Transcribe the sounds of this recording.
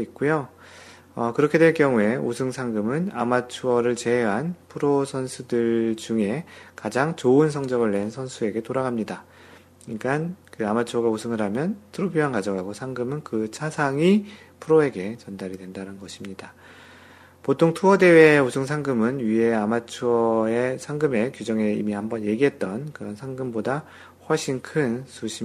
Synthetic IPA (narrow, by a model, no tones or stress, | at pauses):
ik͈ujo | ʌkɯɾʌkʰe̞dwe̞ɭkjʌŋue̞osʰɯŋsʰaŋɡɯmɯna̰mat͡ɕʰuʌɾɯɭt͡ɕe̞ɦeɦanpʰɯɾosʰʌnsʰudɯɭd͡ʑuŋe̞kad͡ʑaŋt͡ɕoɯnsʰʌŋd͡ʑʌɡɯɭːe̞nsʰʌnsʰue̞ɡe̞toɾaɡamɲida | ink͈ankɯamat͡ɕʰuwʌɡausʰɯŋɯɾɦamjʌntʰɯɾobiɦankad͡ʑʌɡɦaɡosʰaŋɡɯmɯnkɯt͡ɕʰasʰaŋi | pʰɯɾoe̞ɡe̞t͡ɕʌndaɾidwe̞ndanɯnɡʌɕʰimɲida | potʰoŋtʰuʌde̞we̞osʰɯŋs̬ʰaŋɡɯmɯnɥiɦe̞amat͡ɕʰuʌesʰaŋɡɯme̞kjud͡ʑʌŋe̞ḭmihambʌnje̞ɡiɦe̞t̚t͈ʌnkɯɾʌnsʰaŋɡɯmboda | ɸwʌɭɕ͈inkʰɯnsʰuɕʰi